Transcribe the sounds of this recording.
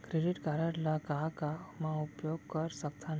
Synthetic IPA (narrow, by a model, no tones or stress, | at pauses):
kɾeɖiʈkaɾaʈlakakamaupjoɡkəɾsək̚t̪ʰan